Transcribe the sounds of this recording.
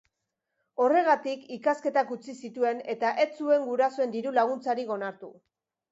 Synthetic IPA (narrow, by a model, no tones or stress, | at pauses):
o̞re̞ɣ̞at̪ikikaske̞t̪akut͡sisit̪ue̞ne̞t̪aʔe̞t͡sue̞ŋɡuɾasoe̞nd̪iɾulaɣ̞unt͡saɾiɣo̞naɾt̪ṵ